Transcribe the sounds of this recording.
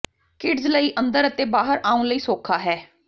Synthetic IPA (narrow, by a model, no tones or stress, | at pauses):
kɪɖzləiːʔə̃nd̪əɾət̪eːbaːɦəɾaːũləiːsoːkʰaːɦɛː